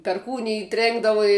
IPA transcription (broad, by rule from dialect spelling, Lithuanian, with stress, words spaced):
pʲɛrˈkuːnʲɪj ˈtʲrʲeːŋɡdɐʋʊ ɪ